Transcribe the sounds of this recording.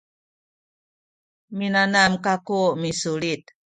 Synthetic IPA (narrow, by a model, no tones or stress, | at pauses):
minanamkakumisulit̪̚